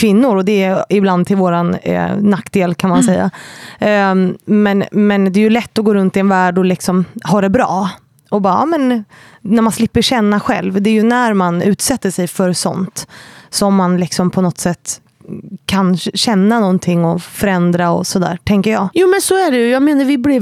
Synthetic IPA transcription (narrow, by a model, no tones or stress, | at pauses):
kʰvɪnːʊɾɔd̪ɛɪbland̪t̪ɪlvoːɾan̰ːakːd̪eːlkʰanmansɛjːa̰ | mɛnmɛnd̪ɛæjɵlɛt̪ːɔɡoːɾɵnt̪ɪɛnvæːɖɔlɪksɔmhɑːɖɛbɾɑ̰ː | ɔbɑːɾmɛn | næɾmanslɪpːəɕɛnːaɧɛ̰lvd̪ɛæjɵnæɾmanʉ̟ːt̪sɛt̪ːəʂɛjfœɾsɔ̰nt̪sɔmːanlɪksɔmpʰɔnɔt̪sɛt̪ː | kʰanɕɛnːanɔnt̪ʰɪŋːɔfœɾɛnd̪ɾaɔ̰sɔd̪æ̰ːɾʈʰɛŋkəɾjɑ̰ːɡjuːmɛnsɔæɖɛjɵjɑːɡmeːnaɾvɪblɪ